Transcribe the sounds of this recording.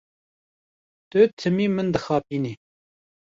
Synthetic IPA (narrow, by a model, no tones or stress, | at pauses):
t̪ɨt̪ʰɨmiːmɨnd̪ɨxɑːp̚iːniː